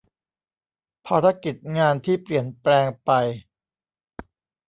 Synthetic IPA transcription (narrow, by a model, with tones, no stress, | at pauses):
pʰaː˧ɾa˦˧˥ki˨˩t̪̚ŋaː˧nt̪ʰiː˥˩pli˨˩ənplɛː˧ŋpa˧j